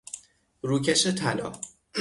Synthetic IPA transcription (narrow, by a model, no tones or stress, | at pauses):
ɾuːcʰeʃet̪ʰælɒ̰ː